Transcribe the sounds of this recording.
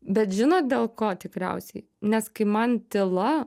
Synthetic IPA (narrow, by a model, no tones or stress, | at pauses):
bʲɛt̪ʒʲɪnoːt̪̚d̪ʲeːlˠkoːt̪ʲɪkɾʲɛ̰ʊsʲɛɪ | nʲɛskɐɪmɐnt̪ʲɪlˠɐ